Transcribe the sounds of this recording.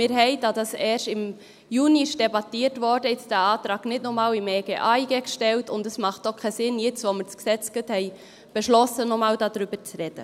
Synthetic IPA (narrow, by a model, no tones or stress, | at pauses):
mɪːɾɦɛɪd̥ɑd̥ɑsɛːɾʃɪm | juːniʃd̥ɛbɑtiːɾtʋɔɾdəɪt͡sd̥æːɑːtɾɑːɡ̥nɪtnɔmɑːlɪmeːɡeːʔɑiɡɛkʃtɛltʊndəsmɑχt̚d̥ɔχkʰɛsɪnjɪt͡sʋoməɾsksɛt͡sɡ̥əthɛɪ | b̥əʃlɔsənɔmɑːldɑːd̪ɾybəɾt͡sɾɛd̥ə̰